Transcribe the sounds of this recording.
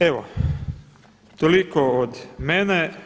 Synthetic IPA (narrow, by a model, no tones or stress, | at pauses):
eʋo | t̪olikood̪mene